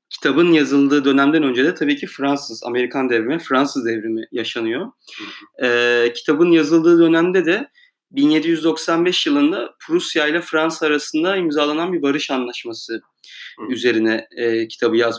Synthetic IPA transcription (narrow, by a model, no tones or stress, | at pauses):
cʰi̥t̪ʰabɯnjazɯlˠd̪ɯːd̪ø̞næmd̪ænø̞nd͡ʒed̪ɛt̪ʰabiːcʰifɾansɯza̰me̞ɾikʰand̪ɛvɾimɛfɾansɯzd̪ɛvɾimijaʃanɯjo̞ | ɛːcʰi̥t̪ʰabɯnjazɯlˠd̪ɯːd̪ø̞næmd̪ɛd̪ɛ | binje̞d̪ijyzd̪o̞ksanbɛʃjɯlˠɯnd̪apʰɾusjajlʲˠafɾansːɾasɯnd̪aimzaːlˠananbiɾbaɾɯʃanlˠaʃmasɯ | yze̞ɾinɛcʰi̥t̪ʰabɯjaz